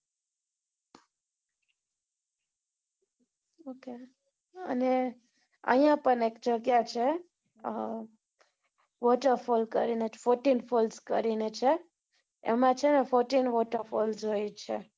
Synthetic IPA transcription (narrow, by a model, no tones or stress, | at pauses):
oke | ə̰ne | ə̰jãpəɳekd͡ʒəɡjat͡ʃʰe | ʋɔʈəɾfolkəɾinefoɾʈinfʰolskə̰ɾinet͡ʃʰe | ḛmãt͡ʃʰenefoɾʈinʋɔʈəɾfold͡ʒojt͡ʃʰe